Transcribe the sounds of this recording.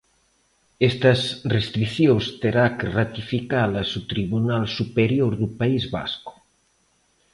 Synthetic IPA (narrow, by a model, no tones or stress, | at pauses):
est̪ɐsrest̪ɾiθjost̪eɾakerat̪ifikalɐsut̪ɾiβunalsupeɾjoɾðupaizβa̰skʊ̥